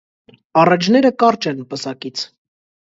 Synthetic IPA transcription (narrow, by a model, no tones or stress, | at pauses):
ɑrɑt͡ʃʰnɛɾəkɑɾt͡ʃɛnpəsɑkit͡sʰ